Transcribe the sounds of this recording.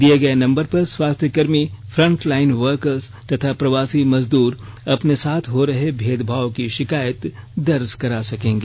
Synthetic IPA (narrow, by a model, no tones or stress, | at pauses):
d̪ijeɡɐenɐ̃mbəɾpɐɾswaːst̪ʰjəkɐɾmifʰɾɐ̃ɳʈlaːɪnʋəɾkəɾz | t̪ɐt̪ʰapɾɐʋaːsimɐzd̪uːɾɐpnesaːt̪ʰɦoɾɐɦebʱeːd̪bʱaːʋkiʃɪkaːjət̪d̪ɐɾskɐɾasɐkẽːŋɡeː